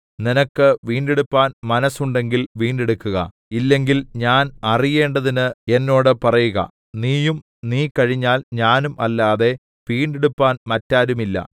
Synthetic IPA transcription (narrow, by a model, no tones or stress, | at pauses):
ninɐkːɨʋiːɳɖeɽupːaːnmɐnɐsːuɳɖe̞ŋɡilʋiːɳɖeɽukːuɣɐ̰ | ilːe̞ŋɡilɲaːnɐrije̞ːɳɖɐðinɨe̞nːo̞ːɽɨpɐrɐjuɣɐ̰ | niːjum | niːkɐɻiɲːaːlɲaːnumɐlːaːðe̞ | ʋiːɳɖeɽupːaːnmɐtːaːɾumilːɐ̰